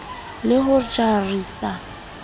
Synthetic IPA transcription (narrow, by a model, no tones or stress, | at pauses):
lɪɦʊt͡ʃʼariːsa